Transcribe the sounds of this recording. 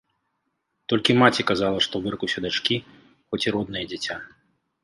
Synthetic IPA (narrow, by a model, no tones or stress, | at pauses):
t̪ɔlʲkʲimat͡sʲikazalˠɐʂt̪ɔwvɨrkuwsʲɐd̪at͡ʂkʲi | xɔt͡sʲiɾɔd̪nɨjɐd͡zʲat͡sʲa